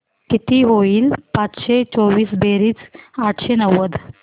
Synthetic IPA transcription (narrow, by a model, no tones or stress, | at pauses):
kit̪iːɦoiːlpat͡sɕet͡sɔʋiːsbeɾiːt͡saʈʰɕenəʋəd̪